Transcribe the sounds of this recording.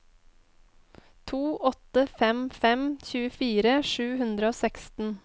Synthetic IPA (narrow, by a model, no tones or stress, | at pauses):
t̪ʰuːʔɔt̪əfɛmfɛmçʉːəfiːɾəʃʉːhʉnd̪ɾəoːsɛkst̪n̩